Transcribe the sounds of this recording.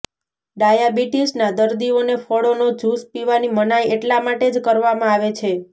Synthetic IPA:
ɖajabiʈisnad̪əɾd̪ionefɔɽonod͡ʒuspiʋanimənajeʈlamaʈed͡ʒkəɾʋamãaʋet͡ʃʰe

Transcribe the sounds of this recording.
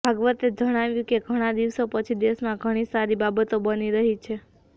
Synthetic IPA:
bʱəɡʋət̪ed͡ʒəɽ̃aʋjũkeɡʱəɽ̃ad̪iʋsopət͡ʃʰid̪eʃmãɡʱəɽ̃isaɾibabət̪obəniɾəɦit͡ʃʰe

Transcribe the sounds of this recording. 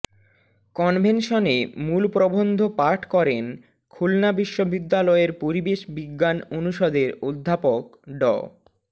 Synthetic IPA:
kɔnbʱenʃonemulpɾobond̪ʱopaɾʈʰkɔɾen | kʰulnabiʃːobid̪ːalɔeɾpoɾibeʃbiɡːanonuʃɔd̪eɾod̪ʱːapokɖɔ̰

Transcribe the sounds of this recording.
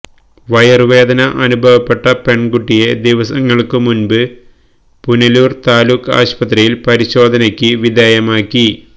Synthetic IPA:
ʋɐjɐrʋe̞ːd̪ɐnɐʔɐnubʱɐʋɐpːe̞ʈːɐpe̞ɳɡuʈːijed̪iʋɐsɐŋːɐɭkɨmunbɨ | punɐluːrt̪aːluːkːa̰ːɕpɐt̪rɐjilpɐɾiɕo̞ːd̪ʱɐnɐkʲːɨʋid̪eːjɐmaːkʲːi

